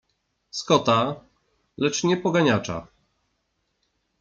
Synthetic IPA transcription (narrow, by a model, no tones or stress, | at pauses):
skɔt̪a | lɛt͡ʂɲɛpɔɡaɲat͡ʂa̰